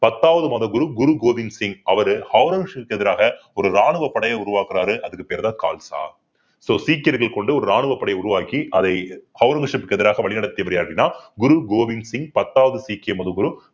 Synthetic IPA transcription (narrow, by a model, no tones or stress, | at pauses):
pɐt̪ːaːʋɐðɯmaːðɐɡʊɾuɡʊɾuɡoːʋɪŋsɪŋɡɐʋɐɾɯhɐʊɾɐŋɡʂɐpɯkːɛðɪɾaːɣɐɔɾɯɾaːɳɯʋɐpːɐɽɐjɐʊɾʊʋaːkɯɾaːɾɯʔɐðɯkːɯpeːɾt̪ãːka̰ːlsa̰ː | soːsiːkːɐɾɣɐɭkɔɳɖɯɔɾɯɾaːɳɯʋɐpːɐɽɐjɐʊɾʊʋaːkiʔɐðɐɪhɐʊɾɐŋɡʂɐpːɯkːɯɛðɪɾaːɣɐʋɐɭɪnɐɽɐt̪ːɪjɐʋɐɾɪjaːɾɪnːaːɡʊɾuɡoːʋɪŋsɪŋɡpɐt̪ːaːʋɐðɯsiːkːɪɐmɐðɯɡʊɾu